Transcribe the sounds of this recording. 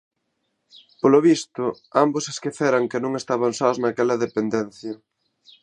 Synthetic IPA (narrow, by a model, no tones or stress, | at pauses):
poloβist̪ʊ | ambʊseskeθɛɾɐŋkenõŋest̪aβ̞ɐnsaoznakɛlɐðepend̪ɛn̟θjɐ